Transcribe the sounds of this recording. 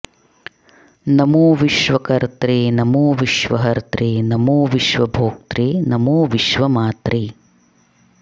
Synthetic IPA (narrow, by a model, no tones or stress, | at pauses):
nɐmuːʋiʃʋɐkɐɾt̪ɾinɐmuːʋiʃʋɐɦɐɾt̪ɾinɐmuːʋiʃʋɐbʱoːk̚t̪ɾinɐmoːʋiʃʋɐmaːt̪ɾʔi